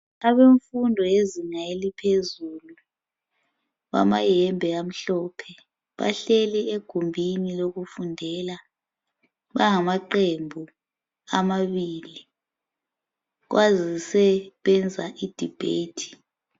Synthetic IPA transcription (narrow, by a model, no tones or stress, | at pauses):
aβeɱfundʱɔjeziŋaelipʰezuːlu | βa̰majɛmbʱɛɣam̩ɬɔːpʰɛ | βa̰ɬɛlieɡ̥ʱumbʱiniloɣufundʱɛla | βaŋamaǃembʱu | amaβiːli | ɣ̬wʔazisɛβɛnd͡zʱaʔid̥ʱib̥ʱḛːtʰi̥